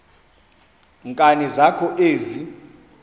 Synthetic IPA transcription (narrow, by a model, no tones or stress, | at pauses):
ŋkʼanizakʰɔʔeːzi